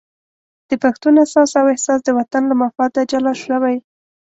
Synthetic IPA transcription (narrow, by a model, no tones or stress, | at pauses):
d̪̥əpaxt̪unasɑsawɪhsɑs̬d̪əwat̪anlamafɑd̪ad͡ʒalɑʃəwaj